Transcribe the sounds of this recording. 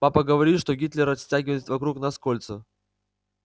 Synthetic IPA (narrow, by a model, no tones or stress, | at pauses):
papəɡəvɐɾʲit̪ʂt̪o̞ɡʲit̪lʲɪɾɐsʲtʲaɡʲɪvəjɪt̪vɐkɾuknaskolʲt̪sə